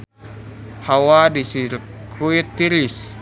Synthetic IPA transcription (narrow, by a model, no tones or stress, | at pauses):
hawadisiɾkʰuit̪ːiɾis